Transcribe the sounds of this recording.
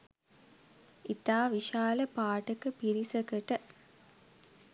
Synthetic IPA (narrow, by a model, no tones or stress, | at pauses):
it̪aːʋiʃaːləpaːʈəkəpiɾisəkəʈə